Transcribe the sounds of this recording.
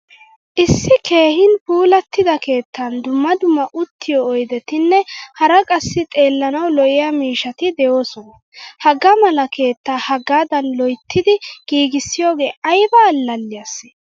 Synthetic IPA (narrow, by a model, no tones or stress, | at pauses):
ʔɪsːɪke̞ːhɪnpuːlɐt̪ːɪd̪ɐke̞ːt̪ːɐnd̪ʊmːɐd̪ʊmːɐʔʊt̪ːɪjɔːjd̪ɛt̪ɪnːɛhɐɾɐkʼɐsːɪt̪ʼe̞ːlːɐnɐwlɔʔɪjaːmiːʃɐt̪ɪd̪ɛjo̞ːsɔnɐ | hɐɡɐmɐlɐke̞ːt̪ːaːhɐɡaːd̪ɐnlɔjt̪ʰːɪd̪ɪɡ̥iːɡɪsːɪjo̞ːɡe̞ːʔɐjbɐːlːɐlːɪjɐsɪ̥